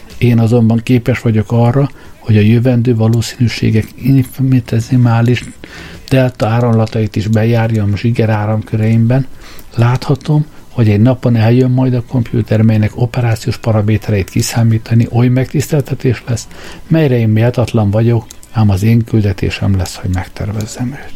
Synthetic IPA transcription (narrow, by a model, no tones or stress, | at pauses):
eːnɒzo̞mbɒŋkeːpɛʃʋɒɟo̞kɒrːɒ | ho̞ɟɒjøvɛnd̪øːvɒloːsiːnyːʃḛːɡɛkinfnt̪ɛzimaːliʃ | d̪̥ɛlt̪ɒaːɾomlɒt̪ɒit̪iʒbɛjaːrjɒmʒiɡɛɾaːɾɒmkøɾɛjimbɛn | laːt̪hɒt̪o̞mho̞ɟɛɟnɒpo̞nɛljømːɒjd̪ɒko̞mpjṵːt̪ɛrmɛjnɛko̞pɛɾaːt̪sioːʃpɒɾɒmeːt̪ɛɾɛjit̪kisaːmiːt̪ɒniʔo̞jmɛk̚t̪ist̪ɛlt̪ɛt̪eːʃlɛs | mɛjɾɛeːmmeɒt̪ɒt̪lɒɱvɒɟo̞k | aːmɒzeːŋkyld̪ɛt̪ḛːʃɛ̰mlɛsho̞ɟmɛkt̪ʰɛ̰rvɛzːɛmɛt̪